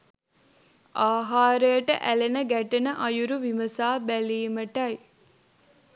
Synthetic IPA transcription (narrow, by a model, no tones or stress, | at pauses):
ʔaːɦaːɾəjəʈəʔælenəɡæʈənəʔɐjuɾuʋiməsaːbæliːməʈɐj